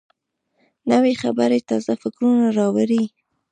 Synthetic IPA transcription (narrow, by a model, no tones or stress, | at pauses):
nəwexabaɾet̪ɑzafɪkɾunaɾɑwaɾi